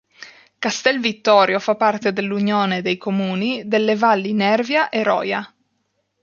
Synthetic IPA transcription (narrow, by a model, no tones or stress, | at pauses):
kast̪ɛlvit̪ːɔːɾjofapːart̪ed̪elːunjoːned̪ejkomuːnid̪elːevalːinɛrvjaʔeɾɔ̰ːja